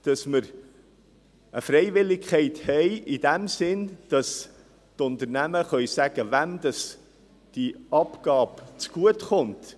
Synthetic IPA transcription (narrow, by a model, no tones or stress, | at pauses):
d̥ɑsməɾ | ʔəfɾɛɪvɪlːɪkχɛɪthɛɪʔid̥æmsɪnd̥ɑs | tʊnt̪əɾnæməχœʏsæɡ̥əvæmd̥ɑs | d̥iɑpɡ̥ɑːpt͡sɡ̥uətχʊnt